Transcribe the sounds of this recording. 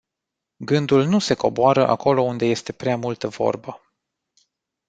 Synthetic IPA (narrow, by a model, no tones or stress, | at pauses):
ɡɨnd̪ulnuse̞ko̞boaɾəʔa̰ko̞lo̞und̪e̞je̞st̪e̞pɾeamult̪əvo̞̰rbə